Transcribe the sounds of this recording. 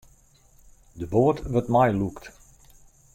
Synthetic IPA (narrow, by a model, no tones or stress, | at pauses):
dəboətʋətmajlukt